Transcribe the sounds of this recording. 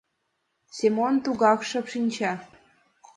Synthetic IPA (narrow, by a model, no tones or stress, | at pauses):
sʲemont̪uɣɑkʃɤ̆pʃinʲt͡ɕɑ